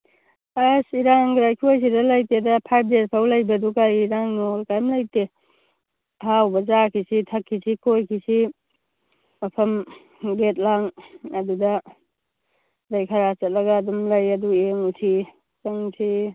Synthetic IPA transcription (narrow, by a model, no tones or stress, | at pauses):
asiɾaŋɡɾajkʰiojs̬idɐlɐjtedɐpʰajb̚ʰdezpʰawlɐjbɐdukajiɾaŋnolkajmlɐjte | awbɐzakʰisitʰɐkʰːisʰikojkʰisi | mɐpʰɐm | ɡet̚laŋɐdudɐ | dɐjkʰɐɾat͡ʃɐt̚lɐɡɐːdumlɐjɐdueŋusʰi | kɐŋsʰi